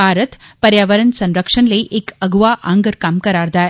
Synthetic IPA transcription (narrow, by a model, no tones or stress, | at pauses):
aːɾət̪pɐɾjaːʋəɾənsɐ̃nɾəkʂənləiʔekɐɡʋaʔãŋɡəɾkaːmkɐɾaːɾd̪ae